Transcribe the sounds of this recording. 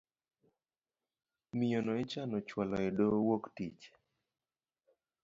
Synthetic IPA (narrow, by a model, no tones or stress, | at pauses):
mɪjonɔɛt͡ʃanɔt͡ʃwalɔɛdowoktḭt͡ʃ